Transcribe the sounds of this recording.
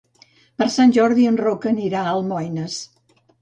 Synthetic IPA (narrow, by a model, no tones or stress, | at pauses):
pəɾsanʲʒɔɾðiənrokəniɾaəlˠmɔjnəs